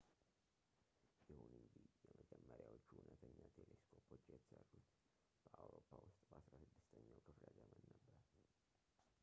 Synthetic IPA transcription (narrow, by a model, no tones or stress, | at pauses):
jɛhunɨnd͡ʒihjɛməd͡ʒɛmːəɾjawot͡ʃːuhunət̪ʰəɲːat̪ʰeleskʰo̞pʰo̞t͡ʃːjɛt̪ʰə̥sərːut̪ | b̥əʔawɾo̞pːawʊst̪ʼbəʔasɾasɨd̪ːɨst̪ʰəɲːawkʰɨfləd̪əmənːəbːəɾ